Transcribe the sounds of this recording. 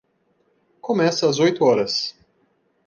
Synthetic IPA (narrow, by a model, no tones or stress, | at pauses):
kõmɛsɐɐzojt̪ʊɔɾɐs